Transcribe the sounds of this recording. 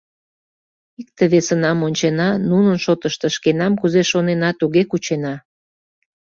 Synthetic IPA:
ik̚t̪eβesənɑmonʲt͡ɕenɑnunənʃot̪əʃt̪əʃkenɑmkuzeʃonenɑt̪uɣekut͡ɕenɑ

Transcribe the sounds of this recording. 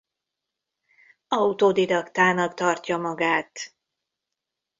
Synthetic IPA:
ɒut̪oːd̪id̪ɒkt̪aːnɒkt̪ɒrcɒmɒɡaːt̪

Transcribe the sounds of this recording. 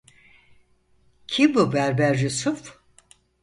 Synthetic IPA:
cʰibubæɾbæɾjusuf

